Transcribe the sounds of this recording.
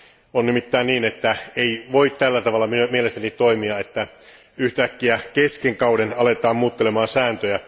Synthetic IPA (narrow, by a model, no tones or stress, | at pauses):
onnimit̪ːæːnniːnet̪ːæeiʋo̞it̪t̪ːælːæt̪ɑʋɑlːɑmmielest̪ænit̪o̞imiɑet̪ːæ | yht̪ækːiækeskeŋkɑwdenɑlet̪ɑːmmuːt̪ːelemɑːnsæːnt̪øjæ